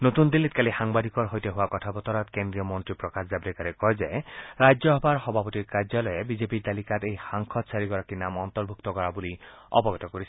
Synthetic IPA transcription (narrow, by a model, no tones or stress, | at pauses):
not̪und̪ilːit̪̚kalixaŋbad̪ikɔɹɦojtɔɦowakɔtʰabɔt̪ɔɾɔtkendɹiɔmɔntɹipɹɔkaszabɾɛkaɾɛkɔjzajɹajd͡ʒzɔɦɔbʱaɹxɔbʱapɔtiɹkaɹzɔlɔjɛbizepit̪alikatejxaŋkʰɔt̪saɹiɡɔɹakinamɔnt̪ɔɹbʱuk̚t̪ɔkɔɹabuli | ɔ̰bɔɡɔt̪ɔkoɹisʰ